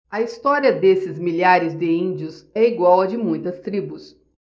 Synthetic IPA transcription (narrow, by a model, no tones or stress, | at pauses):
ɐist̪ɔɾiɐd̪esɪzmiʎaɾɪzd̪ɪĩnd͡ʒʊsɛiɡwawɐd͡ʒɪmũj̃t̪ɐst̪ɾibʊs